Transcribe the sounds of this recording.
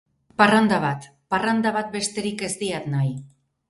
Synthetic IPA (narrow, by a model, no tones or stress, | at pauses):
parand̪aβ̞at̪ | parand̪aβat̪̚be̞st̪e̞ɾike̞zd̪iat̪naj